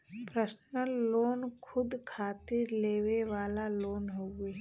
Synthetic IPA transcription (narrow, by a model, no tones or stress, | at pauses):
pɾəsnəːoːnkʰʊd̪kʰaːt̪ɪɾleːʋeʋaːlaloːnɦoːeː